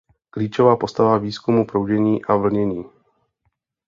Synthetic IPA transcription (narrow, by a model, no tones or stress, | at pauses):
kliːt͡ʃovaːpo̞st̪avaviːskumupɾowɟɛɲiːʔavl̩ɲɛɲiː